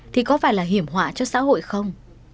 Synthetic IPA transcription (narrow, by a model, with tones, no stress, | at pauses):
t̪ʰi˨˩kɔ˨˦faː˧˩jlaː˨˩ɦi˧˩əmɦwa̰ː˧˨t͡ɕɔ˧sa̰ː˧˥ɦo̰˧˨jxə˧wŋ͡m